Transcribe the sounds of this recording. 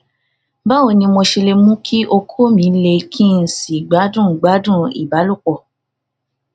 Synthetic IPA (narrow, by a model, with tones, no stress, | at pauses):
ba˦o˦˧˨nĩ˧mo˧ʃi˧le˧mũ˦kʰi˦ʔo˧kʰo˦mĩ˨˦le˧kʰi˦n̩˨si˨ɡ͡ba˨˦dũ˦˨ɡ͡ba˨˦dũ˦˨ḭ˨ba˨˦lu˦˨k͡pɔ˨